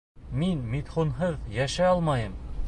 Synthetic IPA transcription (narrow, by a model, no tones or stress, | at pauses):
minmit̪χunɦɤðjæʃæɑlˠmɑjɤm